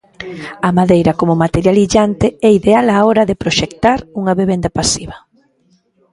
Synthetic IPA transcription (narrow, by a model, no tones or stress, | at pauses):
ɐmaðejɾɐkomomat̪eɾjaliʎant̪ɪɛiðealaoɾɐðepɾoʃek̚t̪aɾuŋaβeβend̪apasiβɐ